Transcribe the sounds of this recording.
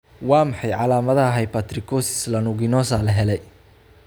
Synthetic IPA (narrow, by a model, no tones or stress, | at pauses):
wɑːmɑħɑjʕɑlaːmɐðɐɦɛjpat̪ʰrɪkʰɔsɪ̥slɐnʊɣɪnɔːsaːlɐɦɛlɛj